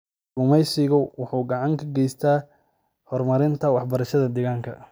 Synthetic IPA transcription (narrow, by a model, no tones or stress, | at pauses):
ʊmɛjsɪɣʊwʊħuːɡɑʕɑŋkʰɐɡɛjst̪ʰaː | hɔrmɐɾɪnt̪ʰɐwɑħbɐɾɐʃɐðɐd̪ɛːɣaːŋkʰɐ̰